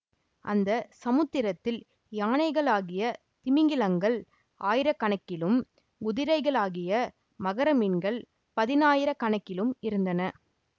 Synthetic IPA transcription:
ʔɐ̰nd̪ɐsɐmɯt̪ːɪɾɐt̪ːɪl | jaːɳɐɪɣɐɭaːɣɪjɐ | t̪ɪmɪŋɡɪlɐŋɡɐɭ | ʔaːjɪɾɐkːɐɳɐkːɪlɯm | ɡʊðɪɾɐɪɣɐɭaːɣɪjɐ | mɐɣɐɾɐminɡɐɭ | pɐðɪnaːjɪɾɐkɐɳɐkːɪlɯmɪɾɯnd̪ɐnɐ

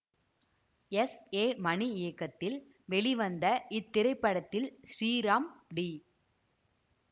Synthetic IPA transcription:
ɛseːmɐɳiɪjɐkːɐt̪ːɪl | ʋɛɭiʋɐnd̪ɐʔɪt̪ːɪɾɐɪpːɐɽɐt̪ːɪlsɾiːɾaːmɖi

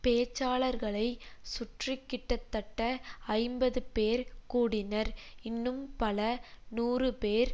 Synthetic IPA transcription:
peːt͡ʃːaːɭɐɾɣɐɭɐɪsʊʈrɪkːɪʈːɐt̪ːɐʈːɐɐɪmbɐðɯpeːɾkuːɽɪnɐɾɪnːɯmpɐlɐnuːrɯpeːɾ

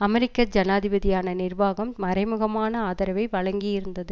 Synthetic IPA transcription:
ɐmɛɾɪkːɐd͡ʒɐnaːðɪbɐðɪjaːnɐnɪrʋaːɣɐmːɐɾɐɪmɯɣɐmaːnɐaːðɐɾɐʋɐɪʋɐɭɐŋɡɪjɪɾɯnd̪ɐðɯ

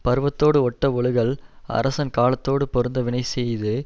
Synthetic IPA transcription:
pɐɾɯʋɐt̪ːoːɽɯɔʈːɐɔɭɯɣɐɭɐ̰ɾɐsɐnkaːlɐt̪ːoːɽɯpɔɾɯnd̪ɐʋɪɳɐɪsɛjðɯ

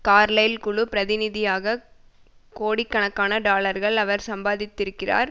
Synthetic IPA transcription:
kaːɾlɐjlkʊɭʊpɪɾɐðɪnɪðɪjaːɣɐ | koːɽɪkːɐɳɐkːaːnɐɖaːlɐɾɣɐɭɐʋɐɾsɐmbaːðɪt̪ːɪɾɯkːɪra̰ːɾ

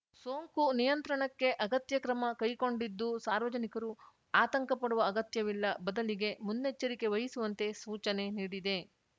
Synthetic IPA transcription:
so̞ːŋkunijɐnt̪ɾɐɳɐkːe̞ʔɐɡɐt̪jɐkɾɐmɐkɐjko̞ɳɖid̪ːusaːɾʋɐd͡ʒɐnikɐɾu | aːt̪ɐŋkɐpɐɽuʋɐːɡɐt̪jɐʋilːɐbɐd̪ɐliɡe̞munːet͡ʃːɐɾike̞ʋɐɦisuʋɐnt̪e̞suːt͡ʃɐne̞niːɽid̪e̞

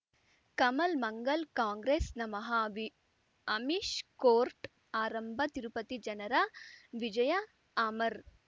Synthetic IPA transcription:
kɐmɐlmɐŋɡɐlkaːŋɡɾeːsnɐmɐɦɐʋi | ɐmiʃkoːɾʈ | aːɾɐmbʱɐt̪iɾupɐt̪id͡ʒɐnɐɾɐʋid͡ʒɐjɐ | aːmɐɾ

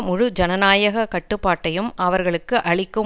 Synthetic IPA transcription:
mʊɻʊd͡ʒɐnɐnaːjɐɣɐkɐʈːɯpːaːʈːɐjɯmʔɐʋɐɾɣɐɭɯkːɯʔɐɭɪkːɯ

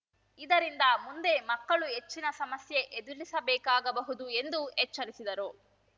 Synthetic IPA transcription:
id̪ɐɾind̪ɐmund̪e̞mɐkːɐɭuɦe̞t͡ʃːinɐsɐmɐsje̞ʔed̪ulisɐbɛːkaːɡɐbɐɦud̪ue̞nd̪uɛt͡ʃːɐɾisid̪ɐɾu

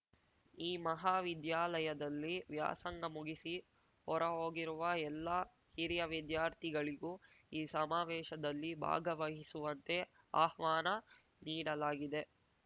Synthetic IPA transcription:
iːmɐɦaːʋid̪jaːlɐjɐd̪ɐlːiʋja̰ːsɐŋɡɐmuɡisi | hɔɾɐɦoːɡiɾuʋɐɛlːɐ | hiɾijɐʋid̪jaːɾt̪ʰiɡɐɭiɡuːiːsɐmaːʋɛːʃɐd̪ɐlːibʱa̰ːɡɐʋɐɦisuʋɐnt̪e̞ | aːhʋaːnɐ | niːɽɐlaːɡid̪e̞

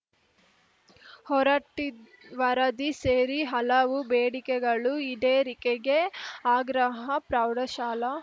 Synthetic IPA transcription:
hɔɾɐʈːi | ʋɐɾɐd̪iseːɾiɦɐlɐʋubeːɽikɛɡɐɭuid̪eːɾikeɡeaːɡɾɐɦɐpɾɐwɽɐʃaːlɐ

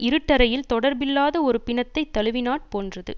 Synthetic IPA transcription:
ʔɪɾɯʈːɐɾɐjɪlt̪ɔɽɐɾbɪlːaːðɐɔɾɯpɪnɐt̪ːɐɪt̪ːɐlɯʋɪnaːʈ̚poːndrɐðɯ̰

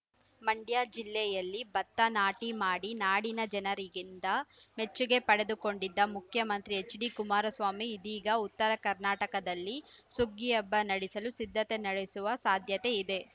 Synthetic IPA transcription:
mɐɳɖjaːd͡ʒilːɛjɐlːibɐt̪ːɐnaːʈimaːɽinaːɽinɐd͡ʒɛnɐɾiɡind̪ɐme̞t͡ʃːuɡe̞pɐɽe̞d̪uko̞ɳɖid̪ːɐmukʰjɐmɐnt̪ɾiet͡ʃːɖikumaːɾɐsʋaːmiːd̪iːɡɐut̪ːɐɾɐkɐɾnaːʈɐkɐd̪ɐlːi | suɡijɐbːɐnɐɽisɐlusid̪ʱːɐt̪enɐɽesuʋɐsaːd̪ʱjɐt̪e̞id̪e̞

